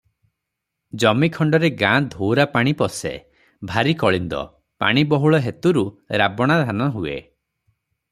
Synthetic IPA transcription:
d͡ʒɔmikʰɔɳɖɔɾeɡãd̪ʱowɾapaɽ̃ipɔsḛ | bʱaɾikɔɭind̪ɔ̰ | pa̰ɽ̃ibɔɦuɭɔɦet̪uɾuɾabɔɽ̃ad̪ʱanɔɦuḛ

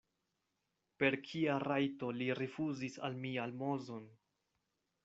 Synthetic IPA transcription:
pe̞ɾkʰiaɾajto̞liɾefuzisa̰lmialmo̞zo̞n

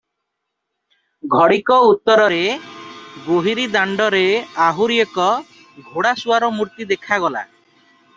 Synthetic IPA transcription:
ɡʱɔɽikɔut̪ːɔɾɔɾe | ɡoɦiɾid̪aɳɖɔɾeaɦuɾiekɔ | ɡʱoɽasuaɾɔmuɾt̪id̪ekʰaɡɔla̰

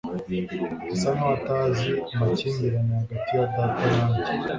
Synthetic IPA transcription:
isamataziumacimiɾamaɡatijadatajaːɲɟi

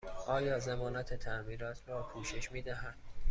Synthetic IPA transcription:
ʔɒːjɒːzemɒːnæt̪ʰe̞t̪ʰæʔmiːɾɒːt̪ʰɾɒːkʰuːʃe̞ʃmiːd̪æɦæd̪̥

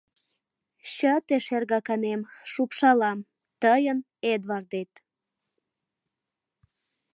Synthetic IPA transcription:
ɕət̪eʃerɣɑkɑnemʃupʃɑlɑm | t̪əjən | ed̪βɑrd̪et̪

